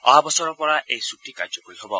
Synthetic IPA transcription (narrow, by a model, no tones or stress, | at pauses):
ɔ̰ɦabɔsɔɾɔpɔɹaʔejsuk̚ʈika̰d͡ʒɔkoiɦobɔ